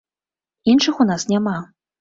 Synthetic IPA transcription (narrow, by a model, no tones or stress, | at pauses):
inʂɨxunasnʲama